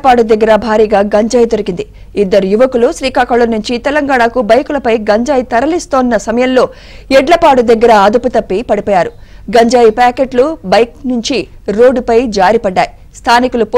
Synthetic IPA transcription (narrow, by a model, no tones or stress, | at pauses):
paːʈud̪ɐɡːɐɾɐbʱaːɾiːɡaːɡɐɲd͡ʒaːjd̪oɾikind̪i | id̪ːɐɾujuʋɐkuluʃɾiːkaːkɐɭːɐnuɲt͡ʃit̪ɛlɐŋɡaːɳaːkubɐjkulɐpɐjɡɐɲd͡ʒaːjit̪ɐɾɐlist̪oːnːɐsɐmɐjɐmlo̞ː | ɛɖlɐpaːɽud̪ɐɡːɐɾɐaːd̪uput̪ɐpːipɐɽipoːjaːɾu | ɡɐɲd͡ʒaːjipaːkeʈlubɐjknuɲt͡ʃiɾoːɖːupɐjd͡ʒaːɾipɐɖːaːji | st̪ʰaːnikulup